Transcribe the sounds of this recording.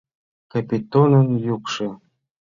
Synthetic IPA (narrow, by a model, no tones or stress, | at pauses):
kapʲit̪onə̆njukʃɤ̆